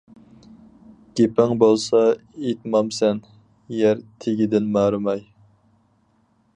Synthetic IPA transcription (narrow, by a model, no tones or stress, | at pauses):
ɡ̥ʲepɪŋbolˠsɑet̪mɑmsɛn | jɛɾt̪ʰeɡʲid̪ɪnmɑːɾɨmɑj